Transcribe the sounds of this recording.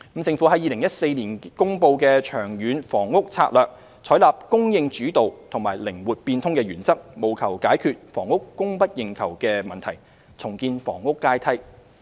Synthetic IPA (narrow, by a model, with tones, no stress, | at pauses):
m̩˨˥t͡sɪ˧ŋfu˨˥ɦɐ˨˥jiː˨˧lɪ˨˩ŋjɐ˥t̚se˧jnliː˨˩nkʊ˥ŋpo˧wkɛ˧t͡ʃʰœː˨˩ŋjyː˨˧nfɔː˨˩ŋːʊ˥k̚t͡sʰaː˧t̚lœː˨k̚ | t͡sʰɔː˨˥jlaː˨p̚kʊ˥ŋjɪ˧ŋt͡ʃyː˨˥t̪o˨wt̪ʰʊ˨˩ŋmaː˨˩jlɪ˨˩ŋwuː˨t̚piː˧nt̪ʰʊ˥ŋkɛ˧ɥyː˨˩nt͡sɐ˥k̚mo˨˩wkʰɐ˨˩wkaː˨˥jkʰyː˨˧t̚fɔ̰ː˨˩ŋːʊ˥kːʊ˥ŋpɐ˥t̚jɪ˨ŋkʰɐ˨˩wkɛː˧mɐ˨nt̪ʰɐ˨˩j | t͡sʰʊ˨˩ŋkiː˧nfɔ̰ː˨˩ŋːʊ˥kːaː˥jt̪ʰɐ˥j